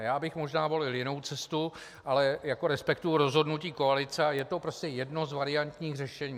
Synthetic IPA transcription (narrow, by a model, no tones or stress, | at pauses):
jaːbɪxmo̞ʒnaːvo̞lɪljɪno̞wt͡sɛst̪u | ʔalɛjako̞ɾɛspɛkt̪ujʊɾo̞zɦo̞dnuciːko̞alɪt͡sɛajɛt̪o̞pɾo̞scɛjɛdno̞zvaɾɪant̪ɲiːxrɛʃɛɲiː